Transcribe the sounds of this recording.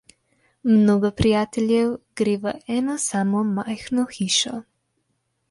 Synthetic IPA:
mnoːɡɔpɾijaːt̪ɛljɛwɡ̥ɾeːʋəʔɛːnasaːmɔmajxnɔxiːʃɔ

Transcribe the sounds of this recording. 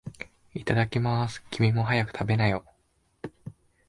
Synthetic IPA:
it̪ad̪akʲimasɨ̥kʲimʲimo̞ɦajakɯ̟̥t̪ʰabe̞najo̞

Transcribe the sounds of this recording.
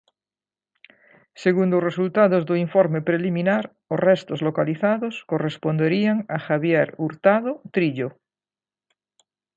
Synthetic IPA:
seɣund̪osresult̪aðozðoiɱfoɾmepɾelimĩnaɾ | orɛst̪ozlokaliθaðoskorespond̪eɾiaŋaxaβjeɾuɾt̪aðot̪ɾiʎo

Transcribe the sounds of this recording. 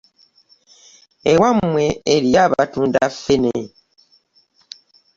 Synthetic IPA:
ewamwe̞ːɾiaβatuːndafːene

